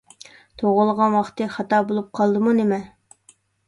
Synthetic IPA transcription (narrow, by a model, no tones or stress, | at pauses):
t̪ʰoʁəlˠʁɑnwɑχt̪ɨχɑt̪ɑːbolˠup̚qʰɑlˠd̪ɨmunemɛ